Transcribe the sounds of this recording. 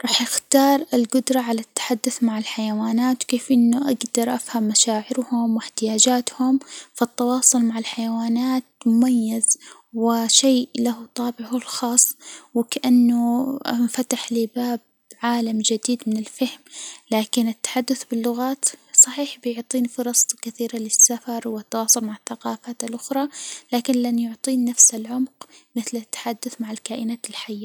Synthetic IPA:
ɾˤɑːħjɪxt̪ɑːɾˤɪlɡʊd̪ɾˤɑʕalat̪ːḁħad̪ːʊθmaʕɪlħajawaːnaːt̪wkeːfʔɪnːʊʔaɡd̪ɑɾˤʔafhamːaʃaːʕɪɾhʊmwɪħt̪ɪjaːd͡ʒaːt̪hʊmfɪt̪ːɑwɑːsˤʊlmaʕɪlħajawaːnaːt̪̚mʊmajːaz | wɪʃeːʔlaɦut̪ˤɑːbɪʕhʊlxɑːsˤːwɪkaʔanːʊnfat̪aħlibaːb | ʕaːlamd͡ʒɪd̪iːd̪mɪnɪlfahmlaːkɪnɪt̪ːḁħad̪ːʊθbɪlːʊɣaːt̪sˤɑħiːħbɪjʊʕt̪ˤiːnfʊɾˤɑsˤt̪ˤkɪθiːɾalɪsːafɑɾˤwɪt̪ːawɑːsˤʊlmaʕaθːaqɑːfaːt̪alʔʊxɾˤɑlaːkɪnlanjʊʕt̪ˤiːnːafsɪlʕʊmqmɪθlɪt̪ːḁħad̪ːʊθmaʕɪlkaːʔɪnaːt̪ɪlħajːa

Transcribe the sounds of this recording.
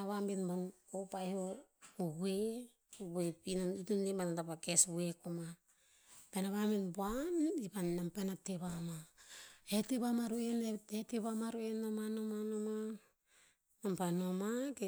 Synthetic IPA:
aβambinbon | opajhoubwe | oβepinoutunebanatapakesbue̞kuma | penaβaminbuanipanːampanateβama | eteβamaɾueneeteβamaɾuenomanomanoma | nampanomake

